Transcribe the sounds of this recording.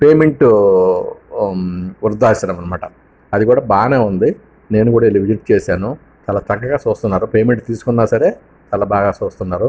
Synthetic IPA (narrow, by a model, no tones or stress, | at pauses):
pe̞ːmeɳʈu | uɾd̪ːaːit͡ʃɐɽɐmːɐnɐmaːʈɐ | ɐd̪ikuːɽaːbaːneːund̪i | ne̞ːnukuːɽaːilːiʋid͡ʒiʈt͡ʃeːsaːnu | t͡ʃɐlɐt̪ɐɡːɐɡaːt͡ʃoːst̪unːaːɾupe̞ːmeɳʈt̪iːsu̥kunːaːsɐɾe̞ː | t͡ʃɐlɐbaːɡaːt͡ʃoːst̪unːaːɾu